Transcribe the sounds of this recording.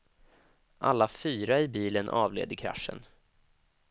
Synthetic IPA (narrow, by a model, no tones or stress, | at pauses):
ʔa̰lːafyːɾaɪbiːlənʔɑ̰ːvlḛːd̪əkʰɾa̰ʂə̰n